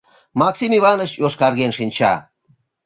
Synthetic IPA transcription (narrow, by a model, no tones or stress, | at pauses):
mɑksimiβɑnəɕjoʃkɑrɣenʃinʲt͡ɕɑ̰